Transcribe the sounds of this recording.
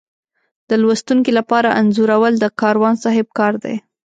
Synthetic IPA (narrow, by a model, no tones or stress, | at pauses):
d̪̥əlwast̪uŋkilapɑɾaʔanzuɾawəld̪əkɑɾwɑnsɑɦɪb̚kɑɾd̪a̰j